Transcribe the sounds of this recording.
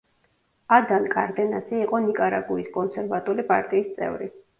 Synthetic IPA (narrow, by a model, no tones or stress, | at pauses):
ad̪ankʼaɾd̪ɛna̰siːqʼɔnikʼaɾaɡuiskʼɔnsɛɾvat̪ʼulipʼa̰ɾt̪ʼiːst̪sʼɛ̰vɾi